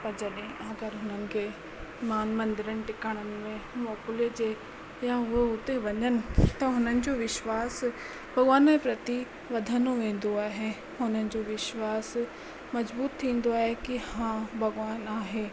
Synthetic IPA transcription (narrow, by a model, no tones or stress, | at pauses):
pɐɾd͡ʑɐɗɦẽɐɡəɾɦʊnənɪ̆kʰe | maːnmə̃nd̪ɪɾənɪ̆ʈɪkəɽ̃ənɪ̆mẽmɔːkʊliəd͡ʑeː | jãʊɦeʊt̪eʋɐɲənɪ̆t̪ɐɦʊnənɪ̆d͡ʑoʋɪʃwaːs | bʱɐɡʋaːnmẽpɾɐt̪i | ʋɐd̪ʱənoʋẽːn̆d̪oaːɦe | hʊnənɪ̆d͡ʑoʋɪʃwaːs | mɐzbuːt̪ʰːĩːn̆d̪oaːɦekihãːbʱɐɡʋaːnaːɦeː